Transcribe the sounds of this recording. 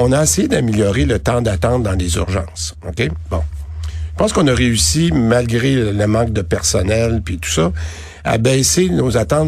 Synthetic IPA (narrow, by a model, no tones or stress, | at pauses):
ɔ̃naesejed̪amiljɔʁelət̪ɑ̃d̪at̪ɑ̃t̪̚d̪ɑ̃lezy̰ʁʒɑ̰̃ːsokʲebɔ̰̃ʒəpɑ̃skɔ̃naʁeysimalɡʲʁeləmɑ̃k̚d̪əpɛʁsɔnɛlpit̪u̥sɔ | a̰bɛːsenozat̪ɑ̃